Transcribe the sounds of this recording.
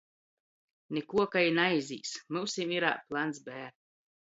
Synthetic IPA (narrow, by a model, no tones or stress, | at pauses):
nʲekuɔkajnajzʲḭːsmuwsimiɾa̰ːplˠansbæːɾ